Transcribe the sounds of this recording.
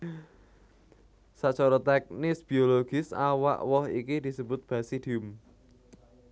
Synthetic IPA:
saʔt͡ʃɔɾɔt̪ɛk̚nɪsb̥ioloɡ̥ɪsa̰wa̰ʔwɔhikid̪̥isəbʊt̪̚b̥ä̤sid̪̥iʊm

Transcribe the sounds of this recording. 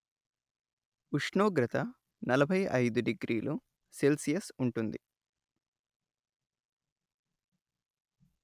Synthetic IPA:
uʂɳoːɡɾɐt̪ɐ | nɐlɐbʱɐjɐ̰jd̪uɖiɡɾʔiːlu | se̞lsijɐsuɳʈund̪ḭ

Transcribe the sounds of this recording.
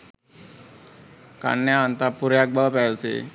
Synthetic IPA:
ka̰nːjaant̪apuɾjak̚bapɛsḛ

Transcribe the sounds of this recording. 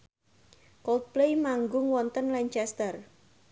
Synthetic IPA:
kɔlt̪̚plejmaŋɡʊŋwɔnt̪ənlaɲt͡ʃɛst̪ər

